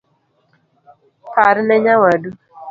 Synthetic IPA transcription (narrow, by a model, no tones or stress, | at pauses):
faɾinɛɲawadu